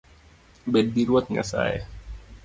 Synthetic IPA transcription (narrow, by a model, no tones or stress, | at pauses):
bed̪̚diɾut̪̚ŋa̰sa̰j